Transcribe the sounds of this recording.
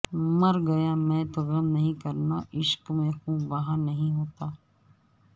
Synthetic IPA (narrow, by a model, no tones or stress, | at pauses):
mɐɾɡɐjamɛ̃ːt̪oɣɐmnɐɦĩkɐɾnaʔɪʃkmẽɦũʋɐɦãnɐɦĩɦoːt̪aː